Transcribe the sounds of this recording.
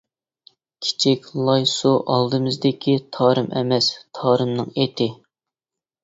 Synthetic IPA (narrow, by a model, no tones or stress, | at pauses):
kʲʰi̥t͡ʃʰikʲlˠɑjsuʔɑlˠd̪ɨmɨzd̪ɪkʲʰit̪ʰɑːɾɨmʔɛ̰mɛst̪ʰɑːɾɨmnɨŋet̪ʰɪ